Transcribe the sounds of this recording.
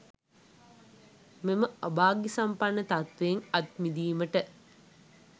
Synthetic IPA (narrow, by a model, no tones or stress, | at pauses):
meməɐbaːɡisampanːət̪at̪ʋeːŋat̪mid̪iːməʈə